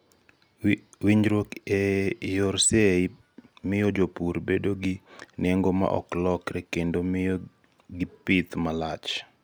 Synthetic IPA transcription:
wiɲɾwokejoɾse | mɪjod͡ʒopuɾbedoɡɪneŋɡoma̰ʔɔ̰klɔkɾɛkendomɪjo | ɡɪpɪt̪malat͡ʃ

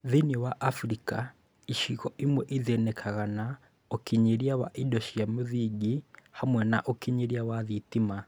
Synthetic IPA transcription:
ðinewaʔafɾika | iʃiɣɔʔimwɛʔizenekʰaɣana | okiɲiɾjaβa̰ʔidoʃijamuðiɡihamwɛnaʔokiɲiɾjaβaðitima

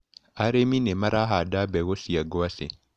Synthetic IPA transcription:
aɾeminɛmaɾaɦadabɛɣosiaɡɔasḛ

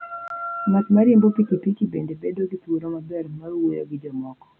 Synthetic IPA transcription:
mat̪maɾjembopikipit͡ʃibḛndebedoɡit̪oɾomabɛrmaɾwojo̰ɡɪd͡ʒɔmɔkɔ̥

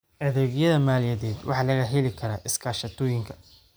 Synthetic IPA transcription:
ʔɐðɛɣjɐðɐmaːlɪjɐðɛːd̪wɑ̰ħɑːlɐɣɐɦɪlɪkʰɐɾaːʔɪskʰaːʃɐt̪ʰɔːjɪŋkʰɐ̥

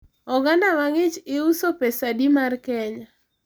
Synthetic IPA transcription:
ɔɡandamaŋɪt͡ʃɪusopesadimarkɛɲa

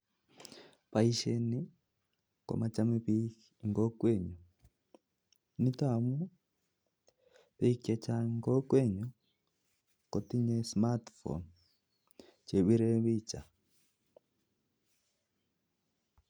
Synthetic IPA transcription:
paiʃɛni | kɔ̰mat͡ʃamiβi | ŋɡɔkwɛɲɔ | nitamu | βɛikjat͡ʃaŋɡɔkwɛɲɔ | kɔtiɲɛsmatfɔ̰n | t͡ʃɛβiɾɛβit͡ʃa

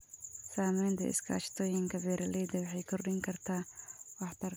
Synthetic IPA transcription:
saːmɛjnt̪ʰɐ̰ɪ̰skʰa̰ːt͡ʃt̪ʰɔːjɪŋkʰɐbɛːɾɐlɛjd̪ɐwɑħɑjkʰɔrɗɪŋkʰɐrt̪ʰaːwɑħt̪ʰɐr

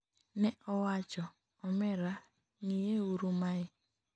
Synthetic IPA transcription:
nɛɔwat͡ʃɔ | ɔmɛɾa | ŋijeuɾumaɪ

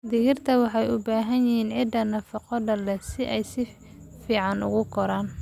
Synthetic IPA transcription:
d̪ɪɣɪrt̪ʰɐwɑħɑjʊbaːɦɐnjɪhiːnʕɪd̪ɐnɐfɑqɔdɐlɛsɪʔɛjsɪ | fiːʕɑnʊ̰ɣʊkʰɔɾaːn

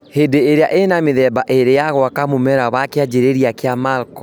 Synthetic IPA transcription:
hedeːɾea̰ʔenameðɛbaʔeɾejaɣwakamomɛɾaβakead͡ʒeɾeɾiakeamaɾkɔ

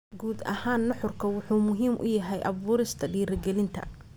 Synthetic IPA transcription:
ɡuːd̪ɐ̰haːnːɔħʊrkʰɐwʊħuːmʊɦiːmʔʊ̰jɐɦɛjʔɐβuːɾɪst̪ʰɐɖiːɾɐɡɛlɪnt̪ʰɐ̰

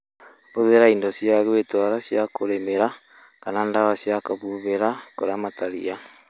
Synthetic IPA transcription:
βoðeɾaindɔsjaɣetwaɾasjakoɾemeɾa | kanandaɣasjakaβuβeɾakoɾamataɾḭa

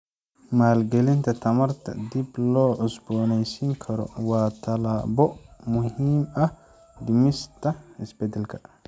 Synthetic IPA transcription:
maːlɡɛlɪnt̪ʰɐt̪ʰɐmɐɾt̪ʰɐ̰d̪iblɔːʔʊsbɔːnɛjsiŋkʰɐɾɔ̰waːt̪ʰɐlaːbɔmʊhiːmɐh | d̪imɪst̪ɐɪsbɛd̪ɛlkʰɐ̥

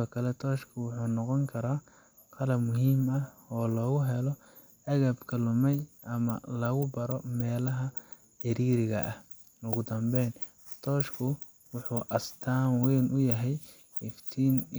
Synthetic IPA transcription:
ɔːkʰɐlɛt̪ʰɔːʃkʰʊwʊħuːnɔqɔŋkʰɐɾaː | qʰɑlɐbmʊɦiːmɐɔːlɔːɣʊɦɛlɔ | ɐɣɐbkʰɐlʊmɛjʔɐmɐlɐɣʊbɐɾɔmɛːlɐɦɐ | ħɪɾiːɾɪɣɐ̰ʔɐh | ʊɣʊd̪ɐmbɛːn | t̪ʰɔːʃkʰʊ | wʊħuːʔɐst̪ʰaːnwɛːnʊjɐɦɛj | ɪft̪ʰiːn

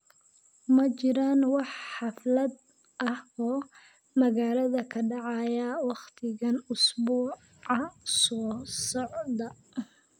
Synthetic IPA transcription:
mɐt͡ʃɪɾaːnwɑħħɑflɐd̪ | ʔɐhɔː | mɐɣaːlɐðɐkʰɐɖɑʕɑjɐwɑχt̪ʰɪɣɐnʊsbuː | ɑsɔːsɔʕd̪ɐ

